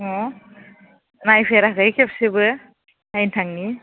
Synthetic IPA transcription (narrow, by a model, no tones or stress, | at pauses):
ɔ | najpʰeɾakɯjkʰepsibɯ | najntʰaŋni